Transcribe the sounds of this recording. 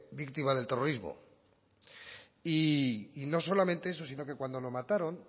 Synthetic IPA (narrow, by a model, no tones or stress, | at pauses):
bikt̪imaðe̞lt̪ero̞ɾizmo̰ | iːno̞s̬o̞lament̪e̞eso̞sinoke̞kwand̪o̞lo̞mat̪aɾo̞n